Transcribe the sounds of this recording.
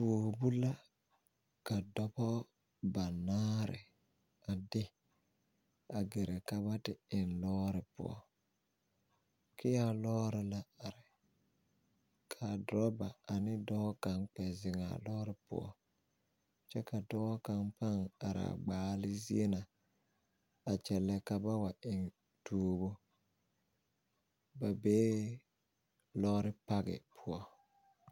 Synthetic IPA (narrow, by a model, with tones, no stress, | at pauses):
bu˨bu˦la˦ | ka˨dɔ˦bɔ˦ | ba˨naː˦ɾɪ̰˨ | a˨dɪ˦ | a˨ɡe˨ɾe˨ka˦βa˦tɪ˦ɪ˨nlɔː˦ɾɪ˨pʊ̰˦ɔ̰˦˨ | kʰɪ˦ja˦lɔː˦ɾɪ˨la˦a˨ɾɪ˨ | kʰa˨dɾɔ˦ba˨a˨nɪ˦dɔː˦ka˨ŋk͡pɛ˨zɪ˨ŋa̰˨lɔː˦ɾɪ˦pʊ̰˦ɔ̰˦ | t͡ʃɛ˦ka˨dɔː˦ka˦ŋpa˦ŋa̰˨ɾa̰˨ɡ͡baː˦lɪ˦zi˦e˦na˨ | a˨t͡ʃɛ˨lɛ˦ka˨ba˦wa˨ʔɪ˨ŋ | tuː˦bo˦ | ba˨beː˦ | lɔ˦ɾɪ˦pa˦ɡɪ̰˨pʰʊ˦ɔ˦